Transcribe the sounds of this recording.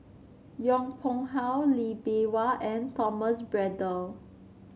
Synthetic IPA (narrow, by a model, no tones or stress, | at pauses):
jɔ̃ŋpʰɔ̃ŋɦawlibewaʔɛ̃ntʰɔməsbɹɛdə